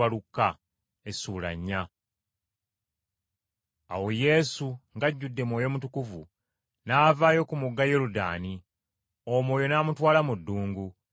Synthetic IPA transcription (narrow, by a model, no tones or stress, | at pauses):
alukːa | esuːla̰ɲːa | a̰wo̞je̞ːsuŋɡaɟːudːe̞mwo̞ːjo̞mutukuvu | naːvaːjo̞kumuɡːajeɾuda̰ːni | omwoːjo̞naːmutwaːlamudːuːŋɡu